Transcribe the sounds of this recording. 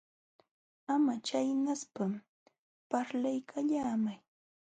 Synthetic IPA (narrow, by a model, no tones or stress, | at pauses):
amat͡ʃajnaspam | paɾlajkʰaʎaːmaj